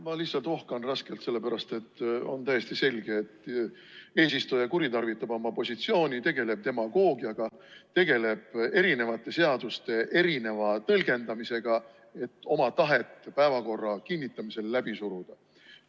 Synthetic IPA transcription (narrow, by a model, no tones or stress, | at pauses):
mɑlihtsɑlt̪o̞hkɑnrɑske̞lt̪se̞lːe̞pæɾɑst̪e̞t̪ːo̰nt̪æjːe̞st̪ise̞lʲɡ̥e̞ːt̪ː | e̞ːsist̪ujɑkuɾit̪ɑrvit̪ːˑɑbo̞mɑpo̞sʲit̪sio̞ːnʲit̪e̞ɡ̥e̞le̞b̥̚t̪e̞mɑɡ̥o̞ːɡiɑɡ̥ɑt̪e̞ɡe̞le̞b̥e̞ɾine̞vɑt̪ːˑe̞se̞ɑd̪̥ust̪e̞ʔe̞ɾine̞vɑt̪ɤlɡ̥e̞nd̪ɑmise̞ɡ̥ɑ | e̞t̪ːˑo̞mɑt̪ɑɦe̞t̪ːpæevɑko̞rːɑkinʲːit̪ːˑɑmise̞lːæb̥isuɾud̪̥ɑ